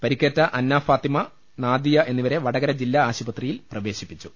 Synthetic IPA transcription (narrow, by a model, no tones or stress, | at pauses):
pɐɾikʲːeːtːɐʔɐnːaːfaːt̪imɐ | naːd̪ijɐʔe̞nːiʋɐɾe̞ʋɐɽɐɡɐɾɐd͡ʑilːaaːɕibɐt̪rijilprɐʋe̞ːɕipːit͡ɕːu̥